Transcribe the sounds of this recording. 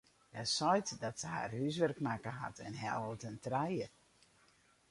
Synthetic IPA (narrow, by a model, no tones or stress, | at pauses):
hasɔjtdɔtsəha̰rhys̬ʋɛrkmaːkəɦa̰tʰɛ̰nɦɛlˠtəntrɛjə